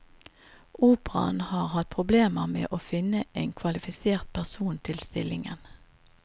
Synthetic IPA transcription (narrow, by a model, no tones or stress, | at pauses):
ʔuːpʁɑ̰nhɑːʁhɑt̪̚pʰʁʊbleːməʁmḛːʔoːfɪnəʔeɪnkʰʋɑlɪfɪseːʁt̪̚pʰæʁsuːnt̪ʰɪlst̪ɪlɪŋə̰n